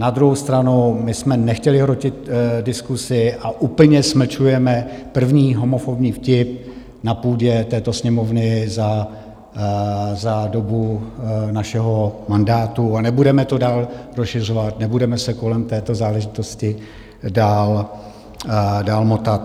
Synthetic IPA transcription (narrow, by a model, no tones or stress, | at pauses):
nad̪ɾuɦowst̪ɾanumɪsmɛnɛxcɛlɪɦɾocɪt̪dɪskusɪʔaʔuːpl̩ɲɛsm̩t͡ʃujɛmɛpr̩vɲiːɦo̞mo̞fobɲiːfcɪp̚ | napuːɟɛt̪ɛːt̪o̞sɲɛmo̞vnɪza | zado̞bunaʃɛɦo̞mandaːt̪uanɛbudɛmɛt̪o̞daːlɾosʃɪr̝ovat̪nɛbudɛmɛsɛko̞lɛmt̪ɛːt̪o̞zaːlɛʒɪt̪o̞scɪ | daːl | daːlmo̞t̪at̪